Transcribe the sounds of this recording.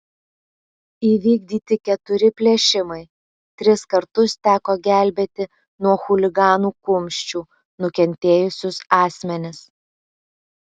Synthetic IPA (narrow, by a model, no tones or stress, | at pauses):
iːʋʲiːɡ̚d̪ʲiːt̪ʲɪkʲɛt̪ʊɾʲɪpʲlʲiɛʃʲɪmɐɪ | t̪ʲɾʲɪskɐɾt̪ʊst̪ʲæːkoːɡʲæˑlʲbʲeːt̪ʲɪ | nuɔxʊlʲɪɡɑːnuːkʊmʲʃʲt͡ʃʲuː | nʊkʲɛnʲt̪ʲeːjʊsʲʊsɑːsʲmʲɛnʲɪs